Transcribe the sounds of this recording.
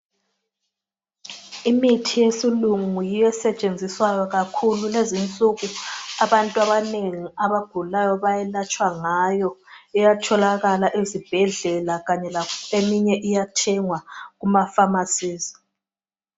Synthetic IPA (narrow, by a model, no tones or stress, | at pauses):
imitʰijesiluŋujijɛsɛt͡ʃʼend͡zʱiswajɔɣakʰululezint͡sʼuɣuaβantʼuaβaneŋiaβaɡ̥ʱulajɔβajɛlat͡ʃʼwaŋajɔɛjatʰɔlaɣalaʔizib̥ʱɛɮɛlaɣaɲɛlakʰɔemiɲɛʔijatʰɛŋwaɣumafamasiːzi̥